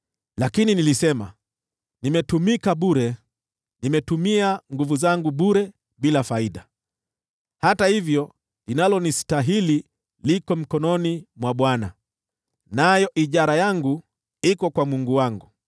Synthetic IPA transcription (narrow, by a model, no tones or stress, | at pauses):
lakininilisɛma̰ | nimɛtumikaɓuɾɛ | nimɛtumiaŋɡuvuzaŋɡuɓuɾɛ | ɓilafaiɗa | hatahivjɔ | linalɔnistaɦili | likɔm̩kɔnɔnimwaɓwana | najɔʔiʄaɾajaŋɡu | ikɔkwamuŋɡuwaŋɡu